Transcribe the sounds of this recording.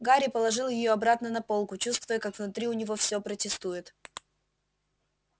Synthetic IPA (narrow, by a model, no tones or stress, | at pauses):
ɡaɾʲɪpəlˠɐʐɨlˠjɪjo̞ɐbɾat̪nənɐpo̞lˠkʊt͡ɕust̪vʊjəkakvnʊt̪ɾʲiʊnʲɪvo̞fsʲopɾətʲɪst̪ujɪt̪